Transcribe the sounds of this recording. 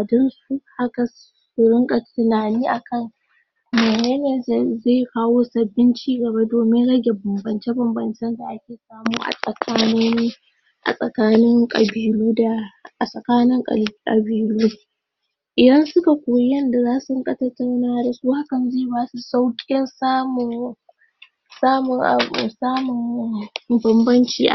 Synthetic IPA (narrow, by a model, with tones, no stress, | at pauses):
a˨dɔ˦nsu˦ha˦ka˨ | su˨ɽɪ˦ŋkʼɐ˨tɪ˨naː˨niː˦ʔa˨kʰɐ˦˨n | meː˨neː˦neː˨zae˦˨kaː˦woː˦sɐ˨bːɪ˦nt͡ʃiː˦ɡɐ˨ba˦doː˨mɪ˦nɽɐ˦ɡʲe˨bɐ˨mbɐ˨nt͡ʃe˦bɐ˨mbɐ˨nt͡ʃɛ˦nda˨ʔa˦kʲeː˨saː˦muː˦ʔa̰˨sʼɐ˨kʰaː˦no˦niː˦ | ʔa̰˨sʼɐ˨kaː˦nɪ˦ŋkʼɐ̰˨biː˨luː˦da˨ʔa˨sʼɐ˨kaː˦nɪ˦ŋkʼkʼɐ˨biː˨luː˦ | ʔɪ˨dɐ˦nsʊ˦ka˨kʷoː˨˦jɛ˦nda˨zaː˦su˨˦ŋkʼɐ˦tɐ˦ta˦˨wnaː˦da˨su˦ha˦kɐ˨nzeː˦˨baː˦su˨sa˦wkʲʼɪ˦nsaː˦mʊ˨ | saː˦mʊ˨ŋʔsaː˦mʊ˨m | bɐ˨mbɐ˦nt͡ʃiː˦ʔa˨